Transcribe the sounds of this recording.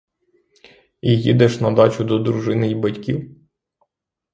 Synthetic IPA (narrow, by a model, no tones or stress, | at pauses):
ijid̪ɛʃnɐd̪ɑt͡ʃʊd̪ɔd̪ɾʊʒɪnɪjbɐtʲkʲiw